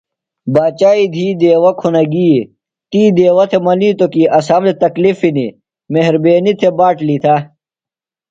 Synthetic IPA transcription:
baːt͡ɕaːid̪ʱiːd̪eːwɐkʰunɐɡiː | t̪iːd̪eːwɐt̪ʰemɐniːt̪okiʔɐsaːmet̪ɐklifini | meɦɾbeːnit̪ʰebaːʈlit̪ʰa

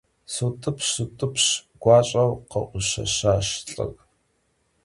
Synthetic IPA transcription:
sutʼɨpʰʃutʼɨpʰɕɡ̥ʷɑːɕʼɐwqɐ̰ʔʷʊʃɐ̰ʃaːʃɬʼɨ̰ɣ

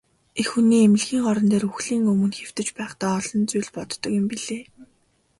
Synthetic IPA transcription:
exxuniːemɪ̆ɮɣiːŋɢɔɾɞ̆nt̪eːruxɮiːŋɵmɵ̆nxew̥t̪ɘ̆t͡ɕpæːχt̪aːɔɮɞ̆nt͡sujɮpɔt̪ːɞ̆kʊ̆mpiɮeː

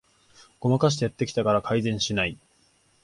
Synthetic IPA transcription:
ɡ̥o̞makaɕ̬i̥t̪e̞jat̪ːe̞kʲi̥t̪akaɾakʰaizẽ̞ɰ̃ɕinai

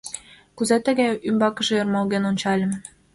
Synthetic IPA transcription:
kuzæt̪ə̆ɣæymbɑkə̆ʒĕjɤ̆rmɑlɣenonʲt͡ɕɑlʲə̆m

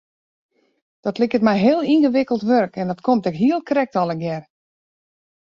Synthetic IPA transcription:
d̥ɔtlɪkətmɛjɦɪːəlˠinɣəʋɪkəl̩ˠtʋøɾkɛndɔtkʰomtɛkɦiəlˠkʰrɛk̚tɔlˠəɡjɛr

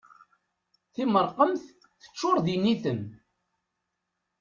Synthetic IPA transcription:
θiməɾˤqəmθ | θə̥t͡ʃːʊɾˤðinːiθən

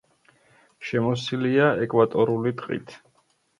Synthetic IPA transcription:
ʃɛmɔsiliaɛkʼwat̪ʼɔɾulit̪ʼqʼḭt̪ʰ

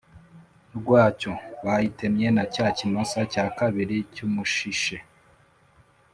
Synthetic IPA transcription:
ɾɡwaːco̞βajite̞mɲenacaːcinosacaːkaβiɾicumuʃiʃe

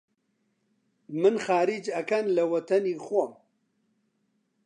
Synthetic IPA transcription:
mɨnxaːɾid͡ʒɐkɐnlɐwɐt̪ʰɐniːxʷom

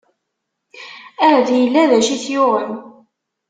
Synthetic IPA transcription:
æɾðjəlːæðæʃiθjʊʁəl

